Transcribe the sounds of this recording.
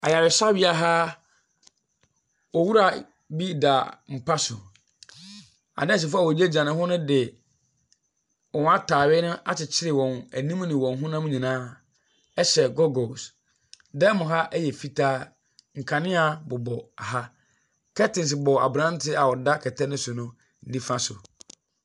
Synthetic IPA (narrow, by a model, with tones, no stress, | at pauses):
a˨ja˨wɪ˨sa˦bɪ˦a˨ɦa˦ | ɔ˨wu˦ɾa˨ | bi˦da˨m̩˨pʰa˦sʊ˨ | a̰˨nɛ̃˦˨ɕ̬ɛ˨fa˦˨wɔ˨d͡ʑe˦d͡ʑã˨nɪ̃˦ɦɔ˦nʊ̃˦dɪ˨ | ɔ̃˨n˦a˦tʰaː˨wɪ˦nʊ̃˦ʔa˦t͡ɕɪ˨t͡ɕʰɪ˦ɾɪ˨wɔ̃˨næ˨nĩ˦m˦nɪ̃˨wɔ̃˨n˨ɦʊ̃˦nã˦mũ˦ɲĩ˨nãː˦ | ɛ˦ɕɛ˨ɡɔ˦ɡɔ˨s | dɛ˦mʊ̃˨ɦa˦ʔɛ˦jɛ˨fi˦tʰaː˦ | ŋ̩˨kʰa˨nɪ̃˦a˨bʊ˨bɔ˨a˨ɦa˦ | kʰɛ˦tɪ̃˨ns̬bɔ˨a̰˨bɾã˦n˦tʰɪ˦a˨wɔ˨da˦kʰɛ˨tʰɛ˦nɪ̃˦sʊ˨nʊ̃˦ | n̩˦di˦fã˦sʊ˨